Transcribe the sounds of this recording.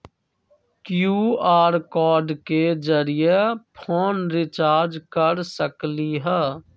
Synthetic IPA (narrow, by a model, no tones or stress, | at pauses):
kjuːaːɾkɔːɾɖked͡ʒəɾijepʰoːnɾɪt͡ʃaːɾd͡ʒkəɾsəkliɦɛː